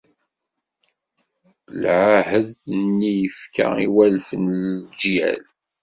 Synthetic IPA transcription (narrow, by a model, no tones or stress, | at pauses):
lʕahəðnːijəfkʰa̰iwælfənd͡ʒjæ̰l